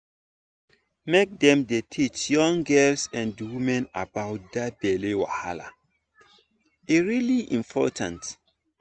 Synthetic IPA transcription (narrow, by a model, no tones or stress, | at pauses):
mek̚dɛ̃mdetʰit͡ʃjɔ̃ŋɡɛlsɛ̃ndwumɛ̃na̰baʊt̚dab̥ɛlewa̰ha̰la̰ | iɹiliʔĩmpʰɔ̰tʰãnt